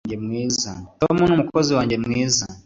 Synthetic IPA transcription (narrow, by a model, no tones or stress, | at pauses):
ɲd͡ʒɛmwiza̰tɔmunumukɔziwaɲd͡ʒɛmwiza